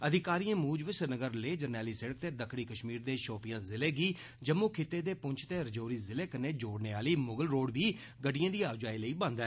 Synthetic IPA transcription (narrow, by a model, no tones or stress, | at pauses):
əd̪ʱɪkaːɾijãːmuːd͡ʒʋɪsəɾnəɡəɾleːd͡ʒəɾnɛːliːseɽək̚t̪eːd̪əkʰɽiːkəʃmiːɾd̪eːʃoːpɪjãːzɪleːɡiː | d͡ʒəmːuːkʰɪt̪ːeːd̪eːpʊɲt͡ʃʰt̪eːəɾɪd͡ʒoːɾiːzɪleːkəneːd͡ʒoːɽneːaːliːmʊɡəlɾoːɽbiː | ɡəɖɪjãːd̪iːaːʋd͡ʒaːiːləiːbãːnd̪ɛ̃ː